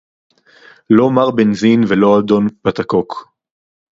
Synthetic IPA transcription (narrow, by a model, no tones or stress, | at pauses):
lo̞maʁbenzinvelo̞ad̪o̞npat̪akok